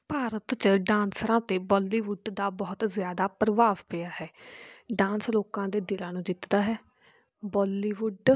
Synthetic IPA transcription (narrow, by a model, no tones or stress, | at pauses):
paːɾət̪t͡ʃəɖãːnsɾãːt̪eːbɔːlːiːʋʊɖd̪aːbɔːt̪zɪjaːd̪aːpɾəʋaːʋpejaːhɛːɖãːnsloːkãːd̪eːd̪ɪlãːnũːd͡ʒ̪ɪt̪d̪aːɦɛː | bɔːlːiːʋʊɖ